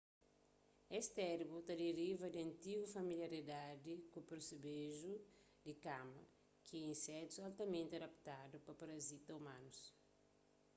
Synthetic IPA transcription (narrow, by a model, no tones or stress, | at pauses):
ɛst̪ɛɾbut̪ɐd̪eɾivɐd̪ɪɐ̃nt̪iɡufɐmiljɐɾid̪ad̪ikupeɾsebeʒu | d̪ikamɐ | kʰiĩsɛt̪sualt̪ɐmẽnt̪ɪɐd̪ɐpt̪ad̪upɐpɐɾɐzit̪ɐumãnus